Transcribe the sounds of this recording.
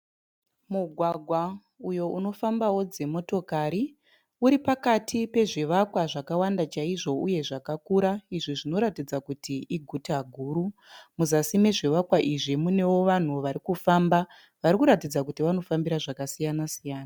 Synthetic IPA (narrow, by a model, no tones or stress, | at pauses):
muɡʱwaɡʱwa | ujo̞ʔuno̞fambawo̞d͡ze̞mo̞to̞kaɾi | uɾipakatʰipe̞ʐiʋakwaʐakawandat͡ʃaiʐo̞uje̞ʐakakuɾaiʐiʐino̞ɾatid͡zakutʰiiɡʱutaɡʱuːɾumuzasime̞ʐiʋakwaʔiʐimune̞wo̞ʋan̤uʋaɾikufamba | ʋaɾikuɾatid͡zakutiʋano̞fambiɾaʐakasijanasijaːna